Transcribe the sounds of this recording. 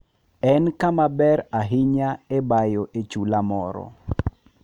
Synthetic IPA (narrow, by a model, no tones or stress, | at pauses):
ɛnkamabɛɾaɦɪɲaebajoʔet͡ʃulamɔɾɔ̰